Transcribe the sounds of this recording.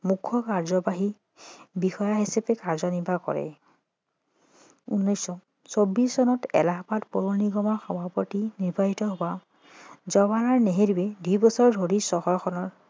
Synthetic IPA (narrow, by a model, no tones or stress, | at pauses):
mukʰːɔkaɹzɔbaɦi | bixɔjaɦesapɛkaɹzɔnibakɔ̰ɹɛ̰ | unːɔjsɔ | sobisːɔnɔtɛ̰laɦpatpoɹoniɡɔmɔɹxɔbʱapɔtiniɹbʱaɦitɔɦowa | zɔβanaɹneɦeɾubedujbɔsɔɹdʱoɹisɔhɔɹxʰɔnɔɹ